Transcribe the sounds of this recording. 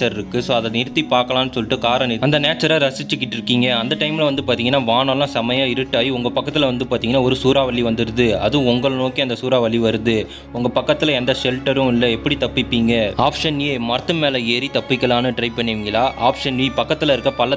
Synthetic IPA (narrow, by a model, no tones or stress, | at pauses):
t͡ʃɐɾɪɾɯkːɯsoːɐðɐnɪɾɯt̪ːipaːɾkɐlaːnːɯsɔlːɪʈːɯkaːɾɐnɪɐnd̪ɐneːʈt͡ʃːɐɾaːɾɐsɪt͡ʃːɯkːɪʈːɪɾɯkːiːŋɡɐɐnd̪ɐʈɐɪmɪlɐʋɐnd̪ɯpaːɾt̪iːŋɐnːaːʋaːnɐlãːsɐmɐjaɪɾɯʈːaːjiʊŋɡɐpɐkːɐt̪ːɪlɐʋɐnd̪ɯpaːɾt̪iːŋɡɐnːaːɔɾɯsuːɾaːʋɐɭːiʋɐnd̪ɯɾɯðɯɐ̰ðɯ̃ʊŋɡɐɭnoːkiɐnd̪ɐsuːɾaːʋɐɭːiʋɐɾɯðɯ | ʊŋɡɐpɐkːɐt̪ːɯlɐɛnd̪ɐʂɛlʈːɐɾʊ̃ɪlːɐɛpːɐɽit̪ɐpːɪpːiːŋɡɐaːpʂɐneːmɐɾɐt̪ːɯmeːlɐeːɾit̪ɐpːɪkːɐlaːnɯʈɪɾɐɪpːɐɳːɪʋɪŋɡɐlaːʔaːpʂɐnʋipɐkːɐt̪ːɯlɐɪɾɯkːɐpɐlːɐ